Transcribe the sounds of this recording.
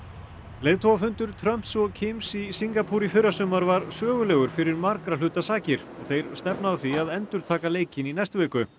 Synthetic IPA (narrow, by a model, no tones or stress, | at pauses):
lejðt̪ʰoːwafʏnt̪ʏɾ̥t̪ʰɾœm̥t̪sɔɣcʰɪmsisiŋkapʰuɾifʏɾːasœːmaɾvaɾsœːɣʏlɛːɣʏɾ̥fɪɾɪɾmaɾkɾalʏːt̪asaːcɪɾ̥ɔɣθejɾ̥st̪ɛpnaθiaðɛnt̪ʏɾ̥t̪ʰaːkaleːjcɪninɛst̪vɛːkʏ